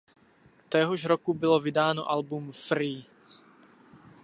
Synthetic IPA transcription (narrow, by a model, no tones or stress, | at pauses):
t̪ɛɦɔʒɾokubɪlovɪdaːno̰ʔalbumfɾiː